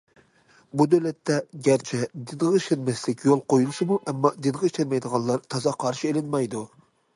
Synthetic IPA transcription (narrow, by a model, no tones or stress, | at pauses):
bud̪øwlɛt̪ːɛɡʲæɾt͡ʃʰɛd̪ɪnʁɑiʃɛnmɛslɪkʲjolˠqojulˠɨʃɨmuʔɛmːɑd̪ɨnʁɑiʃɛnmɛjd̪əʁɑnlˠɑɾt̪ʰɑzɑqʰɑɾʃielɪnmɑjd̪u